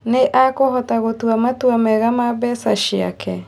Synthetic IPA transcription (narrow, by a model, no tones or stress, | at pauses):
neʔakoɦɔtaɣotwamatwamɛɣamabɛsaʃia̰kʰɛ